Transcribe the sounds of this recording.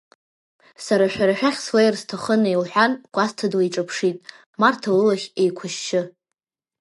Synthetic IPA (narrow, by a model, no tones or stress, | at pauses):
saɾaʃᶣaɾaʃᶣaχʲswajrstʰaχənailħʷᶣanɡ̥ʷʼastʰadwaiʈ͡ʂʼɨpʰʂitʼ | martʰalɨlaχʲejkʷʰʊʃt͡ʃʰɪ